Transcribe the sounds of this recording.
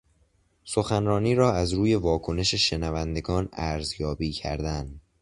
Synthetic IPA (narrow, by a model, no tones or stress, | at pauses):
so̞xænɾɒːniːɾɒːæzɾuːje̞vɒːkʰo̞ne̞ʃe̞ʃe̞nævænd̪e̞ɡɒːnæɾzjɒːbiːcʰæ̰ɾd̪æn